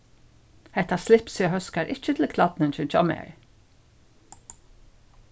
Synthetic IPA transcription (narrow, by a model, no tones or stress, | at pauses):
hɛt̪aslɪpsjɪɦœskaɾʔɪc͡çət̪ʰl̩kʰlɑd̪̥nənt͡ʃʉnt͡ʃɔ̰mḛɹ